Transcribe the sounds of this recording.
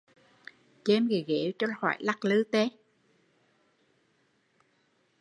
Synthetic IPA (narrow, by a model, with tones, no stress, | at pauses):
t͡ɕɛ˧˦mɣi˨˩ɣe˨˦t͡ɕɔ˧hwa̰ː˧˩˨jla˦˥k̚lɨ˧˦t̪e˦